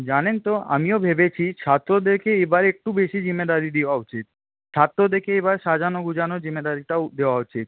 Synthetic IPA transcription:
d͡ʑanent̪oa̰miobʱebet͡ɕʰit͡ɕʰat̪ːɾod̪eɾkeebaɾek̚ʈubeʃid͡ʑimːed̪aɾid̪ewaut͡ɕit̪̚ | t͡ɕʰat̪ːɾod̪eɾkeebaɾʃad͡ʑanoɡud͡ʑanod͡ʑimed̪aɾiʈad̪eoaut͡ɕit̪̚

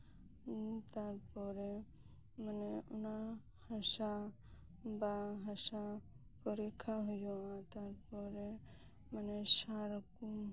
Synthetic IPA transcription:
t̪aɾpɔɾe | məneʊna | həsa | baɦəsa | kɔɾekʰaɦʊjoãt̪aɾpɔɾe | məneʃaɾəku

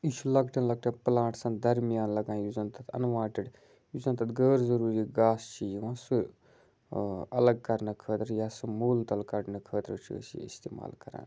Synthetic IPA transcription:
iʃulɐɡʈɐnlɐɡ̚ʈʰɐ̃nplãːʈsɐ̃nd̪ɐɾmijaːnlɐɡãːnjuzɐnt̪ɐt̪ʰɐ̰nʋãːʈiɽ | juzɐnt̪ɐt̪ɡəːɾzɐɾuːɾiɡaːst͡ʃʰijiʋãːsu | ɐ̰lɐɡ̚kɐɾnɐkʰəːt̪ɾjasɐmuːlt̪ɐlkɐʈnɐkʰəːt̪ɾət͡ʃʰḭə̰siḭst̪ḛːma̰ːlkɐɾa̰ːn

